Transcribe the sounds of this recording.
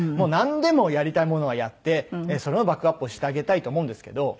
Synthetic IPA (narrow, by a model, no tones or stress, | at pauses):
mo̞ːnãnd̪e̞mo̞jaɾʲit̪aimo̞no̞ɡajat̪ːe̞so̞ɾe̞obakːɯ̟apːɯ̟oːɕi̥t̪eaɡe̞t̪ait̪oːmo̞ɯ̃nd̪esɨ̥ke̞̰d̪o̞